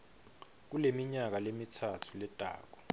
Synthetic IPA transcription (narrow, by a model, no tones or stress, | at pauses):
k̬ulemiɲak̬alemitʰatʰulɛd̥ʱa̰ːk̬ɔ